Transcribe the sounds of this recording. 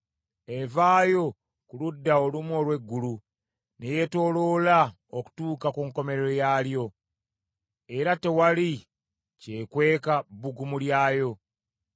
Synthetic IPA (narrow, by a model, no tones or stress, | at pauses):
evaːjo̞ | kuludːaolumo̞ːlwe̞ɡːulu | neje̞to̞ːlo̞la | oku̥tuːkakuːŋko̞me̞ɾɾojaːljo̞ | e̞ɾate̞wali | cekwe̞ːkabuɡumuljaːjo̞